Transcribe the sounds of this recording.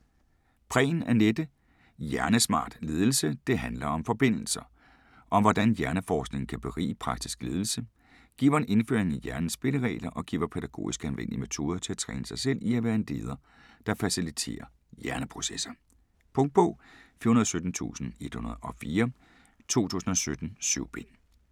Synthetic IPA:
pʰʁɛ̰ːnæɐned̥ə | jæɐnəsmɑ̰̈ːd̥le̝ːð̞ˠl̩səd̥e̝ɦænlɐɒ̽mfɒ̽b̥e̝n̰l̩sɐ | ʔɒ̽ʋɒd̥ænjæɐnəfɒːsɡ̥ne̝ŋn̩kʰæb̥e̝ʁḭːpʰʁɑ̈ɡ̥̚d̥i̥sɡ̥le̝ːð̞ˠl̩sə | ɡ̥ḭːʋɐenʔe̝nføɐeŋ̩æjæɐnn̩sb̥e̝ləʁɛ̰ːlɐʔɒ̽ɡ̥ḭːɐpʰeɾ̥æɡ̥o̝̰ːisɡ̥ænʋen̰d̥iəme̝t͡sʰo̝̰ːð̞ˠɐt͡sʰe̝æt͡sʰʁɛ̰ːnəsɑ̈ɪsel̰iæʋæːɐend̥e̝̰ːð̞ˠɐ | d̥ɑ̈fæsilit͡sʰe̝̰ːɐ | jæɐnəpʰʁo̝sesɐ | pʰɔ̽ŋd̥̚pʰɔ̽fiːɐhunɐðˠsød̥n̩t͡sʰṵːsn̩e̝d̥hunɐð̞ˠɒ̽fiːɐ | t͡sʰo̝̰ːt͡sʰṵːsn̩ɒ̽sød̥n̩syʊ̰b̥e̝n

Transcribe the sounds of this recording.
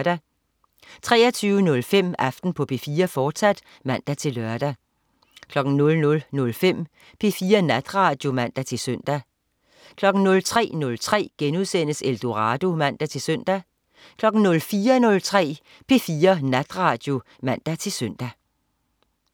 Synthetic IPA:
ɾ̥æ | t͡sʰʁɛ̰ːɐt͡sʰyːʊənɔ̽lfem̰æfd̥n̩pʰɒ̽pʰe̝fiːɐfɒ̥ːsæd̥ | mæn̰d̥æt͡sʰe̝lœɐd̥æ | kʰlɒ̽ɡ̥n̩nɔ̽lnɔ̽lnɔ̽lfem̰ | pʰe̝fiːɐnæd̥ʁɑ̈ːd̥jo̝mæn̰d̥æt͡sʰe̝lsøn̰d̥æ | kʰlɒ̽ɡ̥n̩nɔ̽lt͡sʰʁɛ̰ːnɔ̽lt͡sʰʁɛ̰ːɡ̥enuðˠsen̰əseld̥o̝ʁɑ̈ːd̥o̝mæn̰d̥æt͡sʰe̝lsøn̰d̥æ | kʰlɒ̽ɡ̥n̩nɔ̽lfiːɐnɔ̽lt͡sʰʁɛ̰ː | pʰe̝fiːɐnæd̥ʁɑ̈ːd̥jo̝ | mæn̰d̥æt͡sʰe̝søn̰d̥æ

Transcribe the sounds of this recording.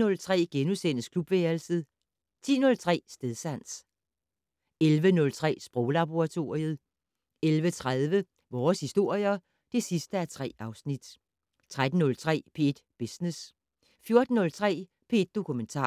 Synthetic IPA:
ɔ̽lt͡sʰʁɛ̰ːɡ̥enusen̰əskʰlub̥ʋeːɐl̩səð̩ˠ | t͡sʰḭːnɔ̽lt͡sʰʁɛ̰ːsd̥eðˠsæn̰s | elʋənɔ̽lt͡sʰʁɛ̰ːsb̥ʁɔʊlɑ̈b̥oʁɑ̈t͡sʰo̝ːɐ̰ʁiəð̞ˠ | elʋət͡sʰʁaðˠʋə | ʋɒːshisd̥o̝ɐ̰jɐ | d̥e̝sisd̥əæɐt͡sʰʁɛ̰ːɑ̈ʊsnid̥ | t͡sʰʁad̥n̩ːɔ̽lt͡sʰʁɛ̰ːpʰe̝d̥b̥esnes | fjo̝ɐd̥n̩nɔ̽lt͡sʰʁɛ̰ː | pʰe̝ed̥̚o̝kʰument͡sʰɑ̰̈ː

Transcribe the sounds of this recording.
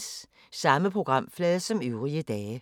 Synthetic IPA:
s | sɑ̈məpʰʁoɡ̥ʁɑ̈m̰flɛːðˠsɒ̽møʊʁiəd̥ɛːə

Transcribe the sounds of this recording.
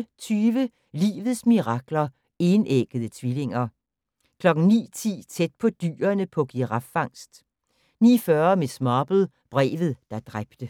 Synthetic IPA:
t͡sʰyːʋə | lḭːʋð̞̩ˠsmiʁɑ̈ɡ̥lɐ | e̝neɡ̥əð̞̩ˠət͡sʰʋile̝ŋɐ | kʰlɒ̽ɡ̥n̩nḭːt͡sʰḭːt͡sʰed̥̚pʰɒ̽d̥y̰ːɐnəpʰɒ̽ɡ̥iʁɑ̈fɑ̈ŋ̰sd̥ | nḭːfɶɐmesmɑːb̥ð̩ˠ | b̥ʁɛ̰ːʋð̞̩ˠd̥ɑ̈d̥ʁab̥d̥ə

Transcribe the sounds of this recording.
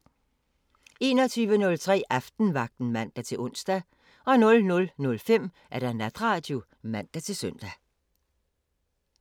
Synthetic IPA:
e̝ːnɒt͡sʰyːʋənɔ̽lt͡sʰʁɛ̰ːʔɑfd̥n̩ʋɑ̈ɡ̥̚d̥n̩mæn̰d̥æt͡sʰe̝lʔɔn̰sd̥æ | ɒ̽nɔ̽lnɔ̽lnɔ̽lfem̰ | ʔæɐd̥ænæd̥ʁɑ̈ːd̥ju | mæn̰d̥æt͡sʰe̝lsœn̰d̥æ

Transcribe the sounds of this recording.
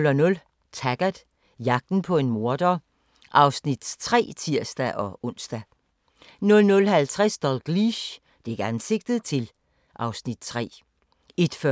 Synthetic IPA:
lɒnɔ̽l | t͡sʰæɡ̥æð̥ˠ | jɑ̈ɡ̥̚d̥n̩pʰɒ̽e̝nmo̝ɐd̥ɒ | ʔɑ̈ʊsnid̥t͡sʰʁɛ̰ːt͡sʰiɐsd̥æʔɒ̽ʔɔ̽n̰sd̥æ | nɔlnɔ̽lɦælt͡sʰʁɛsd̥ɒlɡ̥liɕ | d̥e̝eɡ̥əænse̝ɡ̥̚d̥ð̩ˠt͡sʰe̝l | ʔɑ̈ʊsnid̥t͡sʰʁɛ̰ː | e̝d̥fɶ

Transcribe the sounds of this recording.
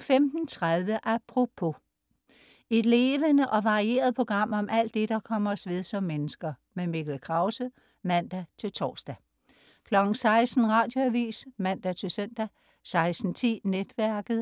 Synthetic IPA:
femd̥n̩t͡sʰʁaðˠʋəʔæpʰʁo̝pʰo̝ | e̝d̥le̝ːʋənəʔɒ̽ʋɑ̈ʁie̝̰ːɐð̞̩ˠpʰo̝ɡ̥ʁɑ̈m̰ɒ̽mʔæl̰d̥ːe̝d̥ɑ̈kʰɒ̽m̰ɐsʋið̞ˠsɒ̽mːenəsɡ̥ɐ | meme̝ɡ̥l̩kʰʁɑ̈ʊsə | mæn̰d̥æt͡sʰe̝lt͡sʰɒ̰ːsd̥æ | kʰlɒ̽ɡ̥ŋ̩sɑ̈ɪsd̥n̩ʁɑ̈ːd̥jo̝æʋḭːsmæn̰d̥æt͡sʰe̝lsøn̰d̥æ | sɑ̈ɪsd̥n̩t͡sʰḭːned̥ʋæɐɡ̥ð̩ˠ

